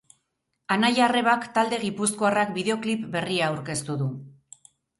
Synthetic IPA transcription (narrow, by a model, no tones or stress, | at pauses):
anajare̞βakt̪ald̪e̞ɣipuskoarak̚biðe̞o̞klipbe̞riaːwɾke̞st̪uðu